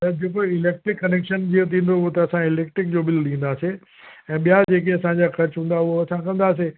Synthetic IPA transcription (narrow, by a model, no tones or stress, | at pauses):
t̪ɐd͡ʑeːkoɪleːk̚ʈɾɪkːɐneːkʃənd͡ʑiot̪̬ʰĩːn̆d̪oʊɦot̪ɐɐsãɪleːkʈɾɪk̚d͡ʑoːɓɪlɗ̪ĩːn̆d̪aːse | ɛ̃ːɓijad͡ʑeːk̬eɐsãɲd͡ʑaːxɐɾt͡ɕɦũːn̆d̪aʊɦoɐsãkɐ̃nd̪aːs̬e